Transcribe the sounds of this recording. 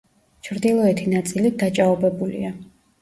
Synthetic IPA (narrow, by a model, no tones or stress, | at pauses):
t͡ʃʰɾd̪ilˠɔɛt̪ʰinat̪sʼilid̪at͡ʃʼaɔbɛbulḭa